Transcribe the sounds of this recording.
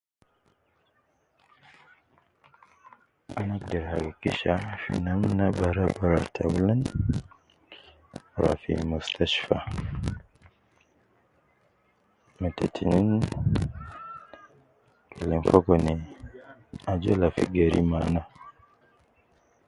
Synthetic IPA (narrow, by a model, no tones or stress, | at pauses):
anak̚dɛɾha̰ɡakiʃafḭnamnabaɾabaɾatʰabulan | ɾa̰fḭmustʰaʃfa | matetʰinin | kʰelɛnfokone | ad͡ʒolafiɡeɾḭmana